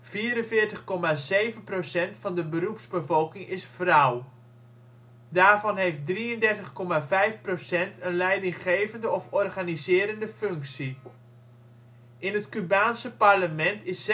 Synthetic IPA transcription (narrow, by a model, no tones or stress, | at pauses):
viːəɾənvɪːɹtəχkɔmazejvənprosɛntfɑndəbərupsbəvɔlˠkɪŋɪsfraw | daːɹvɑnɦeft̚driəndɛrtəχkɔmavɛjfprosɛntʰənlɛjdɪŋχejvəndəɔfɔrχanizɪːɾəndəføŋksi | ʔɪnɦətkybaːnsəparləmɛntʰɪs